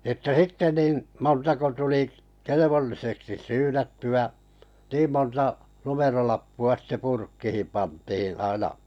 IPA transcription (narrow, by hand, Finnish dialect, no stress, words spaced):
ĕtːæ sitːe nin̞ montɑko tuli keleʋolːiseksi syːnætːyæ niːm montɑ numerolɑpːuɑ sĭtːe purkːihim pɑntihin̞ ɑinɑ